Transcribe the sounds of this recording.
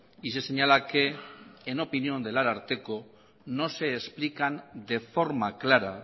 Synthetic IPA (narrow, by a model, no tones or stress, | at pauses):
is̬ese̞ɲalake̞ːno̞pinio̞nd̪e̞laɾaɾt̪e̞ko̞ | no̞se̞ːsplikand̪e̞fo̞ɾmaklaɾa